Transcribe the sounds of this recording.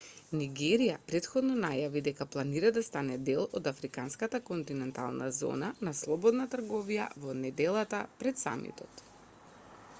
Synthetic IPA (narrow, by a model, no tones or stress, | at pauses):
niɡɛɾijapɾɛt̪xɔd̪nɔnajavid̪ɛkaplˠaniɾad̪ast̪anɛd̪ɛlˠɔd̪afɾikanskat̪akɔnt̪inɛnt̪a̰lˠnazɔ̰nanaslˠɔbɔd̪nat̪r̩ɡɔvija̰vɔnɛd̪ɛlˠat̪apɾɛt̪sa̰mḭt̪ɔt̪